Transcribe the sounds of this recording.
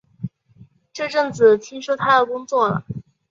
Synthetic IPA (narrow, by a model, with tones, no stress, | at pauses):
ʈ͡ʂɤ˥˧ʈ͡ʂɤ˥˩ŋt͡sɹ̩˨˩t̪ʰi˥ŋʂo˥t̪ʰa˥d̪ə˨kʊ˥ŋt͡swɔ˥˩lə̰˨˩